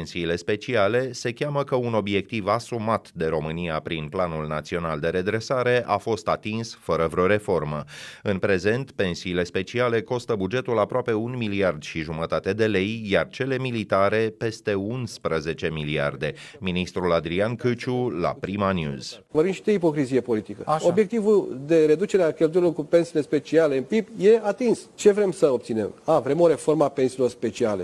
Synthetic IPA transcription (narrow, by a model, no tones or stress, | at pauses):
nsiːle̞spe̞t͡ʃiale̞se̞kʲaməkəuno̞bje̞k̚t̪ivasumat̪d̪e̞ɾo̞mɨniapɾinplanulnat̪sio̞nald̪e̞ɾe̞d̪ɾe̞saɾe̞ʔafo̞st̪at̪insfəɾəvɾo̞ɾe̞fo̞rməɨnpɾe̞ze̞nt̪pe̞nsiːle̞spe̞t͡ʃiale̞ko̞st̪əbud͡ʒe̞t̪ulapɾoape̞unmiliard̪ʃiʒumət̪at̪e̞d̪e̞le̞jjart͡ʃe̞le̞milit̪aɾe̞pe̞st̪e̞unspɾəze̞t͡ʃe̞milia̰rd̪e̞minist̪ɾulad̪ɾiankɨt͡ʃula̰pɾimanjṵz̥vəvimʃid̪eipo̞kɾizije̞po̞lit̪ikəobje̞k̚t̪ivuld̪e̞ɾe̞d̪ut͡ʃeɾeakʲelt̪ujɾilo̞rkupe̞nsiːle̞spe̞t͡ʃiale̞ɨnpibje̞at̪inst͡ʃe̞vɾe̞msəo̞p̚t̪sine̞̰mavɾe̞mo̞ɾe̞fo̞rməape̞nsilo̞rspe̞t͡ʃiale̞̰